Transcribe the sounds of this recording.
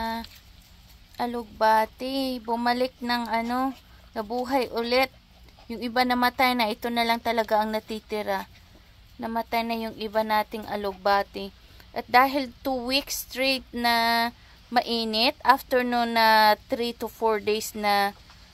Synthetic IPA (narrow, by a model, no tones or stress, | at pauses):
ʔɐloɡ̚baːt̪ɪbʊmɐlɪk̚nɐŋʔɐno̞nɐbuːɦɐjʔʊlɛt̪̚ | jʊŋɪbanɐmɐt̪ajnɐʔɪt̪o̞nɐlɐŋt̪ɐlɐɡaʔɐŋnɐt̪it̪ɪɾa | nɐmɐt̪ajnɐjʊŋʔɪbanaːt̪ɪŋʔɐ̰loɡ̚baːt̪ɪ | ʔɐt̪̚d̪aːɦɪlt̪uwikst̪ɹejt̪̚nɐ | mɐʔiːnɪt̪ʔaft̪ɛɹnonːɐt̪ɾit̪ʊfoɹd̪ejsnɐ